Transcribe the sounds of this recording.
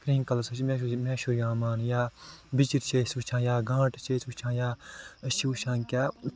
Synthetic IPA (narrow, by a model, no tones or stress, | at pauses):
kɾĩːŋkɐlɐsɐʃimẽːmẽːʃuɾjãːmaːnjaːbit͡ʃiɾt͡ʃʰeːsut͡ʃʰãːjaːɡãːʈt͡ʃʰeːsut͡ʃʰãːjaːəʃiuʃãːŋkʲaː